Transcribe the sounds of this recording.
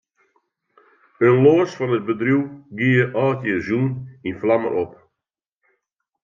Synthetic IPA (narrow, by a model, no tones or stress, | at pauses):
ənloːsfɔnət̚bədrjuwɡiəʔɔːtjəzuninflamə̰ɾʔop